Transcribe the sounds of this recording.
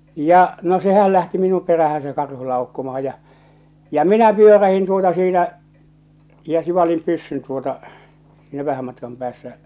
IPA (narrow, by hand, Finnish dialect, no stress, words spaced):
jɑ no sehæl læhti minum peræhæn se kɑrhu lɑukːomɑhɑ jɑ jɑ minæ pyøræhin tuotɑ siːtæ jɑ siʋɑlim pysːyn tuotɑ siˑnæ ʋæhæm mɑtkɑm pæːsːæ